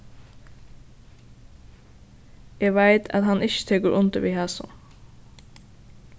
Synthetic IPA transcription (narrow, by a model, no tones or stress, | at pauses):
jæʋæɪt̪ʰɑ̰t̪hɑnʔɪçə̥t̪ʰɛːkəɾʔʊnt̪əʋiːhæːsʊ̰n